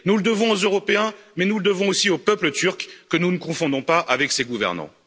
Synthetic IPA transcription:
nuləd̪əvɔ̃ozøʁɔpeɛ̃mɛnuləd̪əvɔ̃osiopœplət̪yʁkːənunəkɔ̃fɔ̃d̪ɔ̃paʔavɛkseɡuvɛ̰ʁnɑ̰̃

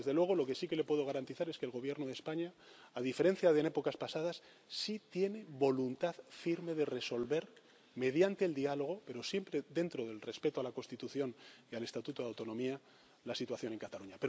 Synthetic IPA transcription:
ezðe̞lwe̞ɣ̞o̞lo̞ke̞sike̞le̞pwe̞ðo̞ɣaɾant̪iθaɾe̞skeːlɣo̞β̞je̞ɾnoðespaɲaaðife̞ɾe̞n̟θjaðe̞ne̞po̞kaspasað̞as | sit̪je̞ne̞βo̞lunt̪aðfiɾme̞ðe̞re̞so̞lβe̞ɾ | me̞ð̞jant̪e̞ːld̪ialo̞ɣ̞o̞pe̞ɾo̞sje̞mpɾeðe̞nt̪ɾo̞ðe̞lre̞spe̞t̪oalakonst̪it̪uθjo̞niale̞st̪at̪ut̪oðawt̪o̞nõ̞mia | lasit̪waθjo̞ne̞ŋkat̪aluɲapeɾo

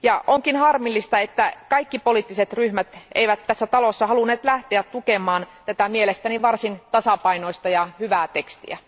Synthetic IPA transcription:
jɑʔoŋkinhɑrmilːist̪ɑet̪ːækɑikːipoliˑt̪ːiset̪ryhmæt̪ḛiʋæt̪tːæsːæt̪ɑlosːɑhɑlunːeːt̪læht̪eæt̪t̪ukemɑːnt̪æt̪æmielest̪æniʋɑrsint̪ɑsɑpɑinoist̪ɑjɑhyʋæːt̪ekst̪ḭæ

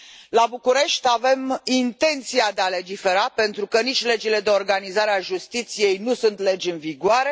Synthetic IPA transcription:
labukuɾe̞ʃt̪ʲave̞mint̪e̞nt̪siad̪e̞ale̞d͡ʒife̞ɾape̞nt̪ɾukənit͡ʃʲle̞d͡ʒile̞d̪e̞o̞rɡanizaɾeaʒust̪it̪sije̞jnusunt̪le̞d͡ʒʲɨnviɡoaɾe̞

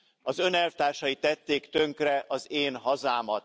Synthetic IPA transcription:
ɒzø̞nɛlft̪aːrʃɒjit̪ːɛt̪ːeːkt̪ø̞ŋkrɛʔɒzeːnɦɒzaːmɒt̪

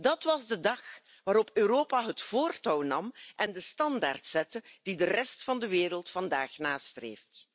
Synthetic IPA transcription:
dɑtʋɑzdədɑx | ʋaːɾɔpøːɾoːpaɦətfoːrtɔwnɑmʔɛndəstɑnda̰ːrtsɛtəd̥idərɛstfɑndəʋeːɾəlˠtfɑndaːxnaːstrḛːft

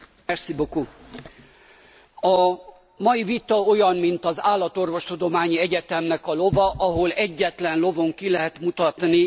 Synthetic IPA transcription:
ɛrsiboku | ɒ | mɒjivit̪ɒo̞jɒnmint̪ɒzaːlːɒt̪o̞rvo̞ʃt̪ud̪o̞maːɲiɛɟɛt̪ɛmnɛkɒlo̞vɒʔɒɦo̞lɛɟːɛt̪lɛnlo̞vo̞ŋkilɛɦɛt̪mut̪ɒt̪ni

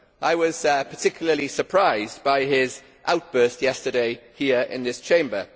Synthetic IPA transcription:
ʔaɪwɒz̥əpʰətʰɪkʰjl̩ˠəlisəpʰɹ̥aɪzbaɪɪz | ʔaʊt̚b̥ɜˑstjɛstədeɪhiəɹɪ̰̃nðɪst͡ʃʰẽɪ̃mbə

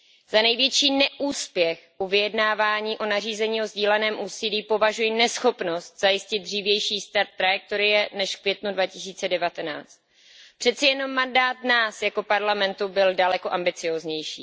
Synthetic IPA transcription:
z̥anɛjvjɛt͡ʃiːnɛʔuːspjɛxʔuvɪjɛdnaːvaːɲiːʔo̞nar̝iːzɛɲiːo̞zɟiːlɛnɛːmʔuːsiliːpo̞vaʒujɪnɛsxo̞pno̞st̪̚z̥ajɪscɪtd̪̚driːvjɛjʃiːst̪aɾt̪̚ːɾajɛk̚t̪o̞ɾɪjɛnɛʃfkvjɛt̪nudvacɪsiːt͡sɛdɛvat̪ɛna̰ːt͡st̪̚ | pr̝̥ɛt̪t͡sɛjɛno̞mːandaːt̪naːsjako̞paɾlamɛnt̪ubɪldalɛko̞ʔambɪt͡sɪjo̞ːzɲɛjʃḭː

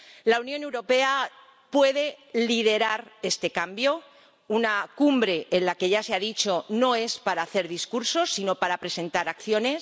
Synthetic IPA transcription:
launjone̞wɾo̞pe̞a | pwe̞ðe̞liðe̞ɾaɾe̞st̪ekambjo̞ | unakumbɾe̞ːnlake̞ʝase̞aðit͡ʃo̞no̞e̞spaɾaːθe̞ɾðiskuɾso̞sːino̞paɾapɾe̞sẽ̞nt̪aɾakθjo̞ne̞s

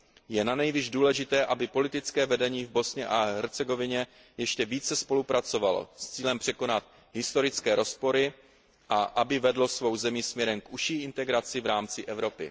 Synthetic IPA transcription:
jɛnanɛjvɪʒduːlɛʒɪt̪ɛːʔabɪpo̞lɪt̪ɪt͡skɛːvɛdɛɲiːvbo̞sɲɛʔaɦɛɾt͡sɛɡo̞vɪɲɛ | jɛʃcɛviːt͡sɛspo̞lupɾat͡so̞valo̞̰st͡siːlɛmpr̥ɛko̞nat̪̚ | ɦɪst̪o̞ɾɪt͡skɛːɾo̞spo̞ɾɪ | ʔaʔabɪvɛdlo̞svo̞wzɛmismɲɛɾɛmkʔuʃiːʔɪnt̪ɛɡɾat͡sɪvɾaːmt͡sɪʔɛvɾo̞pɪ̰

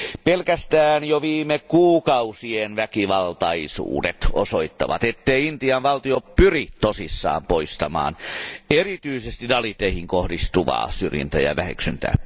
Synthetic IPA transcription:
pelkæst̪æːnjoʋiːmekuːkɑusienʋækiʋɑlt̪ɑisṵːdḛt̪o̰soit̪ːɑʋɑ̰t̪et̪ːeiint̪iɑnʋɑlt̪iopyrit̪osisːɑ̰ːmpoist̪ɑmɑ̰ːnerit̪yisest̪idɑlit̪eihiŋkohdist̪uʋɑ̰ːsyrjḭnt̪æjɑ̰ʋæhy̰ksynt̪æ̰ː

